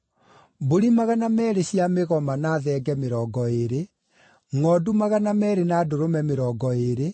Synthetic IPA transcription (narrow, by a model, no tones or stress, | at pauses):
boɾimaɣanamɛːɾeɕjameɣɔmanaːðɛːɡɛmeɾɔːɡɔeɾe | ŋɔːdumaɣanamɛɾenaːdoɾomɛmeɾɔːɡɔeɾe